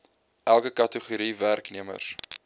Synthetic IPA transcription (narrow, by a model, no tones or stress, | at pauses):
ʔælˠkəkɐtəχuɾiværkniəmə̰rs